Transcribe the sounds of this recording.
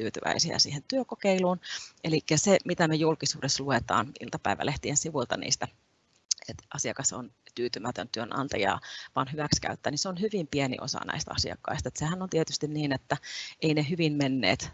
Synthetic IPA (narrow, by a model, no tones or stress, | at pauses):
t̪yːt̪yʋæ̰isiæ̰sḭːhent̪yøkokeiluːnʔelikːæsemit̪æmejulkisuːdesːluet̪ɑ̰ːnḭlt̪ɑpæiʋæ̰lʔeht̪iensiʋult̪ɑnḭːst̪æ | et̪ʔɑsiɑkɑso̰nt̪yːt̪ymæt̪ø̰nt̪yønʔɑ̰nt̪ɑjɑ̰ːʋɑːnhyʋækskæ̰yt̪ːæːniseonhyʋimpienḭʔo̰sɑ̰næ̰ist̪ɑ̰siɑ̰kːɑ̰ist̪ɑet̪sehænont̪iet̪yst̪inniːnet̪ːæeineɦyʋimmenːḛːt̪